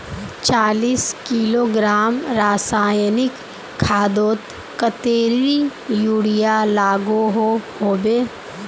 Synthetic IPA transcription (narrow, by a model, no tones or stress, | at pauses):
t͡ʃaːliːskiːloːɡɾaːmɾaːsaːjnɪkʰː | aːd̪oːt̪ | kət̪eːɾijuːɽijalaːɡoɦohoːbeː